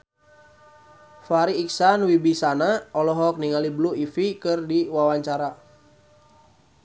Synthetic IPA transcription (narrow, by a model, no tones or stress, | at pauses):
faɾiːk̚sanwibisanaɔlɔɦɔk̚niŋalibluifikɨrdiwawaɲt͡ʃaɾa